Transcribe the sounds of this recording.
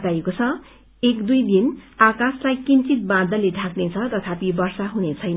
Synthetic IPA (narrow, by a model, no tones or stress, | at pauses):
t̪ajekot͡sʰʌ | ekd̪ujd̪inakaslajkint͡sit̪̚bãd̪ʱʌleɖʱaknet͡sʰʌt̪ʌt̪ʰapibʌrsaɦunet͡sʰʌjnʌ